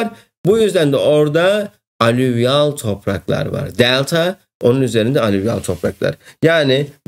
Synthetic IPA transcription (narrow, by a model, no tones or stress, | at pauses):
ɾ | bujyzd̪ænd̪ɛʔo̞ɾd̪a | alʲyvjalˠt̪ʰo̞pɾa̰klˠa̰ɾva̰ɾd̪ɛlʲˠt̪ʰa | o̞nunyzeɾind̪ɛalʲyvja̰lˠt̪ʰo̞pɾaklˠa̰ɾ̥jaːnɪ